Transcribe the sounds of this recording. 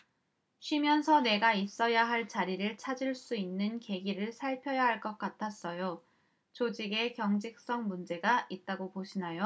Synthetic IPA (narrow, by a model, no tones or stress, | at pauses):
ɕʰɥimjʌnsʰʌne̞ɡais͈ʌjaɦaɭt͡ɕaɾiɾɯɭt͡ɕʰad͡ʑiɭs͈uinːɯnke̞ɡiɾɯɭsʰaɭpʰjʌjaɦaɭk͈ʌk̚k͈atʰas͈ʌjo | t͡ɕod͡ʑiɡe̞kjʌŋd͡ʑik̚s͈ʌŋmund͡ʑe̞ɡaʔit̚t͈aɡopoɕʰinajo